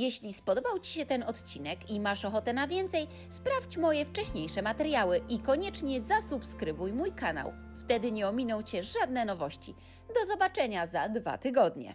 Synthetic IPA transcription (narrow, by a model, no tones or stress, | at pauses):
jɛɕlʲispɔd̪ɔbawt͡ɕi̥ɕɛt̪ɛnɔt̪t͡ɕinɛkimaʂɔxɔt̪ɛnavʲjɛnt̪sɛj | spɾaft͡ɕmɔjɛft͡ʂɛɕɲejʂɛmat̪ɛɾjawɘikɔɲɛt͡ʂɲɛzasupskɾɘbujmujkana̰w | ft̪ɛd̪ɘɲɛɔmʲinɔ̃w̃t͡ɕɛʐad̪nɛnɔvɔɕt͡ɕḭ | d̪ɔzɔbat͡ʂɛɲazad̪va̰t̪ɘɡɔd̪ɲɛ̰